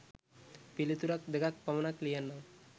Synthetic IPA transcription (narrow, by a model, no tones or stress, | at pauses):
pilit̪uɾak̚d̪eɡak̚pɐmɐnaklijanːaŋ